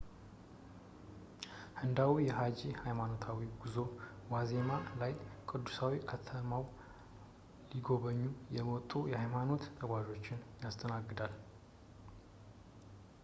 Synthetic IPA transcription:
hɨnd̪awujɛɦad͡ʒihajmano̞t̪ʰawiɡuzo̞wazemalajkʼɨd̪ːusawikʰət̪ʰəmaw | liɡo̞βəɲːujɛwɔt̪ʼːujɛhajmano̞t̪ːʰʼəɡʷaʒo̞t͡ʃːɪnjast̪ʰʼənaɡːɨd̪al

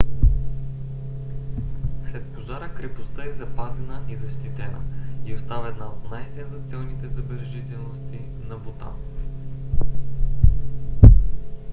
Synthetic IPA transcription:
slɛt̪̚poʒaɾəkɾɛpost̪əɛzɐpazɛnəʔizɐʃt̪it̪ɛnə̰iost̪avəɛd̪naot̪najsɛnzɐt̪sʲɔlnit̪ɛzɐbɛɾɛʒit̪ɛlˠnost̪i | nɐbot̪a̰

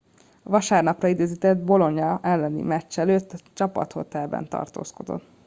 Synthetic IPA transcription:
ɒvɒʃaːrnɒprɒid̪eːzit̪ɛd̪̚bo̞lo̞ɲɒɛlːɛnḭmɛt͡ʃt͡ʃːɛløːt̪ːɒt͡ʃɒpɒ̰t̪ho̞t̪ɛlbɛ̰nt̪ɒ̰rt̪o̰ːsko̞d̪o̞̰t̪ː

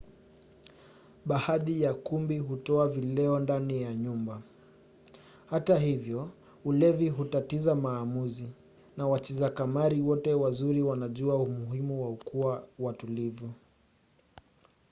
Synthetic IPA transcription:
ɓahaðijakumbiɦutɔavilɛɔndanijaɲumba | hataɦivjɔ | ulɛviɦutatizamaːmuzi | nawat͡ʃizakamaɾiwɔtɛwazuɾiwanaʄuaumuhimuwaukuawatulivu

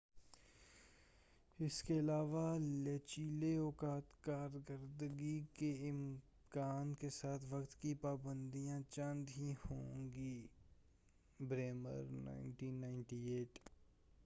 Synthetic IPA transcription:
ɪskeɪlaːʋaleːt͡ʃiːleɔːkaːt̪kaːɾkəɾd̪ɡikeɪm | kaːnkesaːt̪ʰʋɐkt̪kipaːbə̃nd̪ijãt͡ʃɐ̃nd̪ɦihõːŋɡi | bɾeːmə̰ɾna̰ːɪnʈiːnːaːɪɳʈieːʈ

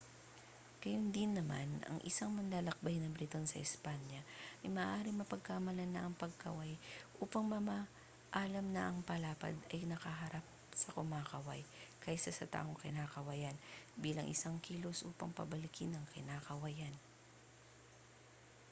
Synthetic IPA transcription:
kɐjʊnd̪ɪnːɐma̰nɐ̰ŋʔɪ̰saŋmɐnlaːlɐk̚bajnɐbɾɪt̪onsɐ̰ʔɪspanjɐʔɐjmɐʔːʔaːɾɪŋmɐpɐɡ̚kamɐlanɐʔɐŋpɐɡ̚kɐ̰wajʔuːpɐŋmɐma | ʔaːlɐmnɐʔɐŋpɐlaːpɐ̰d̪ɐjnɐkɐɦɐɾap̚sɐkʊmaːkɐwa̰jkajsɐsɐt̪a̰ːʔo̞ŋkɪnaːkɐwɐjanbiːlɐŋʔɪ̰saŋkiːlo̞sʔṵːpɐ̰ŋpɐ̰bɐlɪkɪnɐŋkɪnaːkɐwajan

